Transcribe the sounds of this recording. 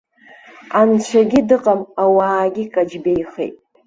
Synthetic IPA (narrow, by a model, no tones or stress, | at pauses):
ant͡ʃʷʰaɡʲidɨqʼamawaːɡʲikʼad͡ʒbejχḛjtʼ